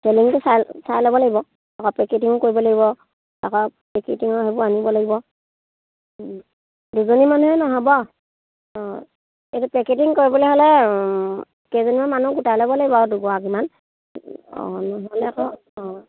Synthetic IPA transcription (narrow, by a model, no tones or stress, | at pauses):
seliŋtʊsajlsajlɔbɔlaɡibɔ | akɔpɹɛketiŋɔkoɹibɔlaɡibɔ | takɔpɹɛketiŋɔɦebʊanibɔlaɡibɔ | duzonimanuɦɛnɔɦɔbɔ | etupɹɛket̬iŋkoɹibɔlɔɦɔlɛ | kezonimanmanuɡutajlɔbɔlaɡibɔduɡɔakiman | ɔ̰nɔɦɔlɛakɔ | ɔ